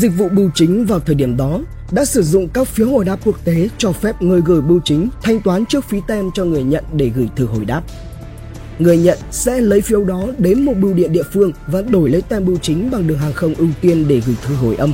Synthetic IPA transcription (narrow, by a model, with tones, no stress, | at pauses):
zï˨˩k̚vṵ˧˨ɓɨ˧˩wt͡ɕï˨˦ŋ̟vaː˨˩wt̪ʰəː˨˩jɗi˧˩əmɗɔ˨˦ | ɗa̰ː˧˥sɨ˧˩zʊ̰˧˨ŋ͡mkaː˦˥k̚fi˨˦əwho˧˩jɗaː˦˥p̚ku˦˥ək̚t̪e˨˦t͡ɕɔ˧fɛ˦˥p̚ŋəː˧jɣəː˧˩jɓɨ˧wt͡ɕï˨˦ŋ̟t̪ʰa˧jŋ̟t̪waː˨˦nt͡ɕɨ˦˥ək̚fi˨˦t̪ɛ˧mt͡ɕɔ˧ŋɨ˨˩əjɲə̰˧˨nɗe˧˩ɣɨ˧˩jt̪ʰɨ˧˩ɦo˧˩jɗaː˦˥p̚ | ŋɨ˨˩əjɲə̰˧˨nsɛ̰˧˥lə˨˦jfi˨˧˦ə˦wɗɔ˨˦ɗe˨˦nmo˨˩t̚ɓɨ˧wɗḭ˧˨ənɗḭ˧˨əfɨ˧əŋvaː˨˩ɗo˧˩jlə˨˦jt̪ɛ˧mɓɨ˧wt͡ɕï˨˦ŋ̟ɓa˨˩ŋɗɨ˨˩əŋɦaː˨˩ŋxə˧wŋ͡mʔɨ˧wt̪i˧ənɗe˧˩ɣɨ˧˩jt̪ʰɨ˨˩ɦo˧˩jʔə˧m